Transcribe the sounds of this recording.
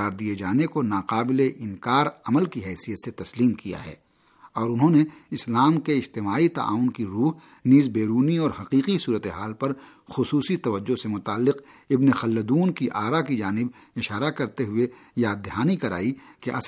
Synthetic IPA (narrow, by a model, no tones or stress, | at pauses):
aːɾd̪ied͡ʒaːnekonaːqaːbɪleʔɪnkaːɾɐməlkiɦɛːsijət̪set̪ɐsliːmkija̰ɦɛ̰ː | ɔːɾʊnɦõneɪslaːmkeɪd͡ʒt̪ɪmaːit̪a̰ʔa̰ːʊnkiɾuːɦ | niːzbeːɾuːniɔːɾhɐqiːqisuːɾət̪eɦaːlpɐɾ | xʊsuːsit̪ɐʋəd͡ʒːosemʊt̪aːlːɪqɪbnexɐlːəd̪uːnkiʔaːɾakid͡ʒaːnɪb | ɪʃaːɾakɐɾt̪eɦʊejaːd̪ːɪɦaːnikɐɾa̰ːikeʔɐ̰s